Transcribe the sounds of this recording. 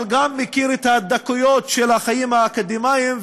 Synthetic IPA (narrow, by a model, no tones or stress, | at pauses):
lɡamːekiʁɛt̪had̪akujot̪ʃelaχajimhaːkod̪imaim